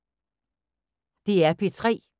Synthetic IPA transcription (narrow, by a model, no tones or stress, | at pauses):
d̪̥e̝æɐpʰit͡sʰʁɛ̰ː